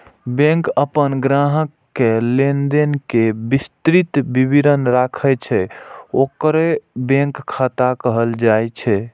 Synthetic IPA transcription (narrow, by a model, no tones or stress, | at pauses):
bẽkəpənɡɾaɦəkːelend̪enkebist̪ɾit̪bibiɾənɾakʰɛt͡ʃʰɛokɾebẽŋkʰːat̪akəɦəld͡ʒajt͡ʃʰɛ